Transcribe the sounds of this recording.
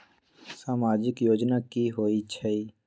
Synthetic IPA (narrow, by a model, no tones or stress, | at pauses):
saːmaːd͡ʒɪkjoːd͡ʒnakiɦoːit͡ʃʰəiː